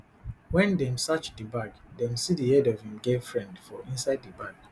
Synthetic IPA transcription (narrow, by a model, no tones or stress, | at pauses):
wɛ̃ndɛ̃msat͡ʃdəbaɡdɛ̃msidihɛdɔv̥hĩmɡevfɹɛ̃ndfɔʔĩnsaɪddəbaɡ